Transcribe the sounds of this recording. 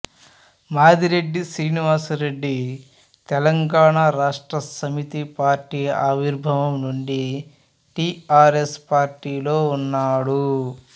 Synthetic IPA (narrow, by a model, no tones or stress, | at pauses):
maːd̪iɾe̞ɖːisɾiːniʋaːsuɾe̞ɖːi | t̪ɛlɐŋɡaːɳaɾaːʂʈɾɐsɐmit̪ipaːɾʈiːaːʋiɾbʱɐʋɐmnuɳɖi | ʈiːaːɾe̞spaːɾʈiːlo̞ːunːaːɽu